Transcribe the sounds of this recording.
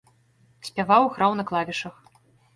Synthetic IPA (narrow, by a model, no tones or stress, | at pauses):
sʲpʲavawɣɾawnɐklˠavʲiʂɐx